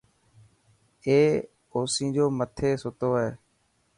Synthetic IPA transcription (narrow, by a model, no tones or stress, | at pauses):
eː | oːsĩːd͡ʒoːmət̪ʰeːsʊt̪oːɦeː